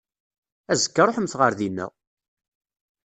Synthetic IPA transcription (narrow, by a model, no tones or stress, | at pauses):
æzəkːɑɾˤoħəmθʁəɾðinːæ̰